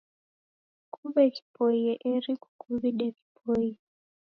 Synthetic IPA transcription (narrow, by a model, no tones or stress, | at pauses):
kuβɛki̥pojɛʔeɾiku̥kʰuβiɗɛki̥pʰoji